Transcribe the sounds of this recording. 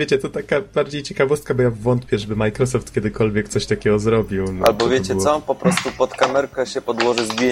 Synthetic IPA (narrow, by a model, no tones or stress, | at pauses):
vʲjet͡ɕɛt̪ɔt̪akabaɾd͡ʑejt͡ɕɛkavɔst̪̚kabɔjavɔnt̪pʲjɛʐɛbɘmajkɾɔsɔft̪kʲɛd̪ɘkɔlvʲjɛkt̪sɔɕt̪akʲɛɡɔzɾɔbʲiwna̰lbɔvjet͡ɕɛɔpɔpɾɔst̪upɔt̪kamɛɾkɛɕɛpɔd̪wɔʐɘzɡʲje